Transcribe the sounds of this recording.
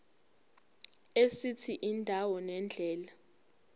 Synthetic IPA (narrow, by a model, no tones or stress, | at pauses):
esit͡sʰiʔindʱawɔnɛnd͡ɮʱɛːla